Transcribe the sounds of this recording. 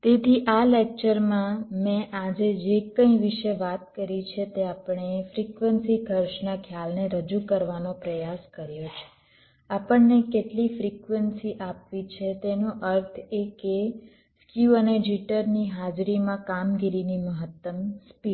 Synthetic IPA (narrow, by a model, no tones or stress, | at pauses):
t̪et̪ʰiʔalek̚t͡ʃəɾmãmẽʔad͡ʒed͡ʒekə̃ĩʋiʃeʋat̪kəɾit͡ʃʰet̪eapəɳefɾikʋənsikəɾʃnakʰjalneɾəd͡ʒukəɾʋanopɾəjaskəɾjot͡ʃʰe̥ | apəɳnekeʈlifɾikʋənsiʔapʋit͡ʃʰet̪enoʔəɾt̪ʰeke | skjuəned͡ʒiʈəɾniɦad͡ʒɾimãkamɡiɾiniməɦət̪ːəmspi